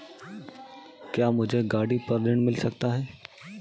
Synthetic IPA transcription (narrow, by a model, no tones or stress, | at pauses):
kjaːmʊd͡ʒʱeɡaːɽipɐɾlɪɽ̃mɪlsɐkt̪aɦɛː